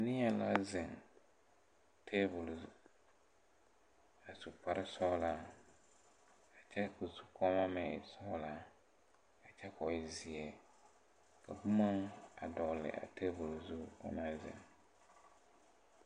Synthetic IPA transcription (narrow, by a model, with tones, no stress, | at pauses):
a˨nɪ˦a˦la̰˦zɪ˨ŋ | tʰe˦bʊ˨l | a˨su˨pa˨ɾɪ˦sɔ˦la˦ | ka˨t͡ʃɛ˦ku˨su̥˦kʰɔ˦ma˦mɛ˨sɔ˦la˦ | ka˨t͡ʃɛ˦kɔ˨ɪ˦zi˨ɛ˨ | ka˨bu˦ma˦ŋa̰˨dɔ˨lɪ̰˨ʔa̰˨te˦bʊ˨lzu˦ɔ̰˦na˦zɪ̰˨ŋ